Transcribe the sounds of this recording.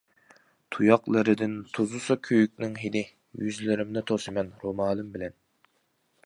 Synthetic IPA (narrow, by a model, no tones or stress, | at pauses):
t̪ʰujɑqlˠɨɾɨd̪ɪnt̪ʰozusɑkʲʰøjykʲnɪŋɦid̪ɪ | jyzlɪɾɪmnɪt̪ʰosɨmɛnɾomɑːlˠɨmbɪlɛn